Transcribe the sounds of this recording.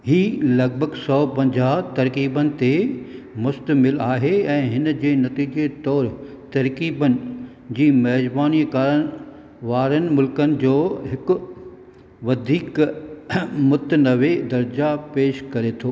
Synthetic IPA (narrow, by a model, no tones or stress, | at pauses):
ɦiːlɐɡ̚bʱəɡsɔːpɐ̃ɲd͡ʑaːɦt̪ɐɾkiːbənɪ̆t̪e | mʊst̪əmɪlaːɦeɛ̃ːɦɪnd͡ʑeːnɐt̪iːd͡ʑet̪ɔːɾ | t̪ɐɾkiːbənɪ̆ | d͡ʑiːmɐɦd͡ʑbaːnikaːɾən | ʋaːɾənɪ̆mʊlkənɪ̆d͡ʑoːɦɪkʊ | ʋɐd̪ʱiːk | mʊt̪nɐʋed̪ɐɾd͡ʑapeːʃkɐɾet̪ʰoː